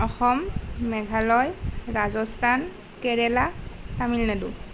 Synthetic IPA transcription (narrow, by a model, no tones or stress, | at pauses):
ɔxɔmːɛɡʱalɔjɹazɔstʰan | kɛɹɛlatamilnadu